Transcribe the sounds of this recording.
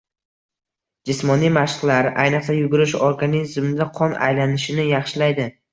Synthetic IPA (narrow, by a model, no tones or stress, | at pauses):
d͡ʒɪsmɒnijmaʃqlaɾa̰jnɨqsajʊɡʊɾɪʃɒɾɡʲanɪzɪmɪd̪aqʰɒna̰jlanɪʃɪnɪjɑχʃɪlajd̪ɪ